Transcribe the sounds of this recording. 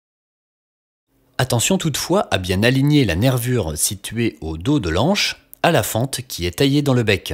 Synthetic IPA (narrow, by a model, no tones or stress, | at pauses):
at̪ɑ̃sjɔ̃t̪ut̪fwaʔabjɛ̃naliɲelanɛʁvyʁsit̪ɥeod̪od̪əlɑ̃ʃ | alafɑ̃t̪kʲʰiɛt̪ajed̪ɑ̃ləbɛk